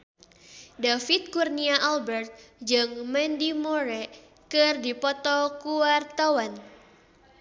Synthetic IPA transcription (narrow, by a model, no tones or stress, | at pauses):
dafit̪̚kurniaʔalbɛrt̪̚d͡ʒɨŋmɛndimɔɾɛ | kɨrdipɔt̪ɔkuwart̪awan